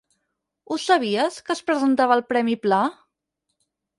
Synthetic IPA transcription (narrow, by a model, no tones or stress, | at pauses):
usəβ̞iəskəspɾəzənt̪aβəːlˠpɾɛmipla